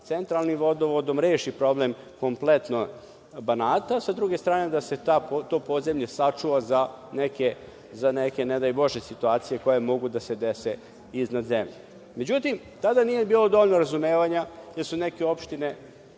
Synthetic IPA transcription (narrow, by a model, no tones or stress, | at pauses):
t̪se̞nt̪ɾalˠnimʋo̞d̪oʋod̪o̞mɾe̞ːʃipɾo̞ble̞m | ko̞mple̞t̪no | banaːt̪asad̪ɾuɡe̞st̪ɾaːne̞d̪ase̞t̪apot̪o̞ːpozemʎesat͡ʂuʋazaneke | zaneke̞ned̪ajbo̞ʒe̞sit̪uaːt̪sije̞ko̞jemo̞ɡud̪ase̞d̪ese̞ | iznad̪zemʎe | me̞d͡ʑut̪im | t̪ad̪anije̞biːlod̪olnoɾazume̞ːʋaɲajeɾsunekeo̞pʃt̪ine̞